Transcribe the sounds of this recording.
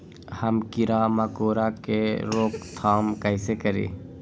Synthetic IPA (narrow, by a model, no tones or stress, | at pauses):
həmkɪɾaːmakoːɾakeɾoːkt̪ʰaːmkəɪsekəɾḭː